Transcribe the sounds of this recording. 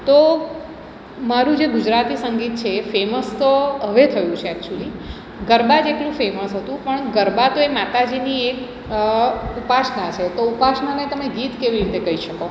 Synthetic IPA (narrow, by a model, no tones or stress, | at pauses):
t̪o | maɾũd͡ʒeɡʊd͡ʒɾat̪isəŋɡit̪̚t͡ʃʰefeməst̪oɦəʋet̪ʰəjũt͡ʃʰeɛk̚t͡ʃuəli | ɡəɾbad͡ʒeʈlũfeməsɦət̪ũpəɳɡəɾbat̪oemat̪ad͡ʒiniek | upasnat͡ʃʰet̪oupasnanet̪əmeɡit̪keʋiɾit̪ekəɦiʃəko